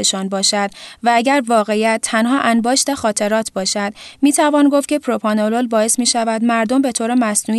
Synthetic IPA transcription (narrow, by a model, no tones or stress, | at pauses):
eʃɒːnbɒːʃæd̪̥vææɟæɾvɒːɣe̞jæt̪ʰːænɦɒːʔænbɒːʃt̪æxɒːt̪ʰe̞ɾɒːt̪ʰbɒːʃæd̪̥miːt̪ʰævɒːnɡoft̪cʲʰe̞pʰɾopʰɒːnololbɒːe̞smiːʃævæd̪mæɾd̪o̞mbe̞t̪ʰoːɾemæsnuː